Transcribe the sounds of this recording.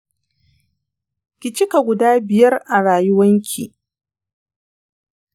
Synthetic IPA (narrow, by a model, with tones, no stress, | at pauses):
kʲɪ˨t͡ʃɪ˦ka˨ɡʷʊ˨daː˦bɪ˨jɐ˦rʔa˨ɽaː˨jʊ˦wɐ˦ŋkʲʰi˨